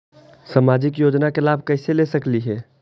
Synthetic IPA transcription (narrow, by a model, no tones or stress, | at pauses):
samad͡ʒikjod͡ʒnakelabʱkəɪselesəkliɦɛ